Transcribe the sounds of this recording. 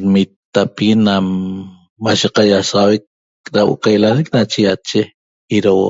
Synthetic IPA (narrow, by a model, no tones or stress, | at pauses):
ɾmit̪ːapiɣinamː | aʃeqajasʁawek̚ | ɾawo̰ʔqajlanek̚nat͡ʃijat͡ʃe | iɾawo